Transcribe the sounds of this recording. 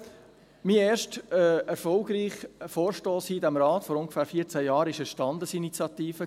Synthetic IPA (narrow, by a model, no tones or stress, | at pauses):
miːeːɾʃtəɛɾfɔlɡɾiːχfoːɾʃtoːshiːdæmɾɑːtfɔɾʊŋɡə̥fæːɾfiːət͡sæjɑːɾɪʃəʃtɑndəsinit͡sjɑt̪iːfə